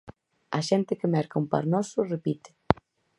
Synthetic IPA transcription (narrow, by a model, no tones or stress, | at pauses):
a̰ʃent̪ɪkemɛɾkaumpa̰ɾnɔsʊrepit̪e̥